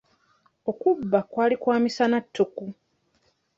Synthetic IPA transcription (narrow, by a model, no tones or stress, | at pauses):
o̞kubːakwaːlikwaːmisanatʰːuku